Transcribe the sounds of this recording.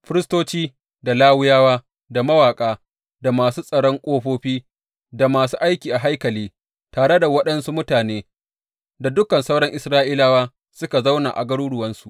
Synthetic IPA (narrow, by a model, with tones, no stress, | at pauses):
ɸɪ˦ɾɪ˦stoː˦t͡ʃiː˦ | da˨laː˦wʊ˦jaː˦waː˦ | da˨mɐ˦waː˨kʼaː˦ | da˨maː˨suː˦sʼɐ˨ɽɔ˦ŋkʷʼoː˦ɸoː˦ɸiː˦ | da˨maː˨suː˦ʔa˦jkʲiː˨ʔa˨ɦa˦jkɐ˨liː˦ | taː˨ɽe˦da˨wɐ˦ɗɐ˦nsu˦mʊ˦taː˨neː˦ | da˨dʊ˦kɐ˨nsa˦wɽɔ˦ŋʔɪ˨sɾaː˦ʔiː˦laː˦waː˦ | sʊ˦ka˨za˦wna̰˨ʔa̰˨ɡɐ˦ɽuː˦ɽʊ˨wɐ˦nsu̥˨ʔ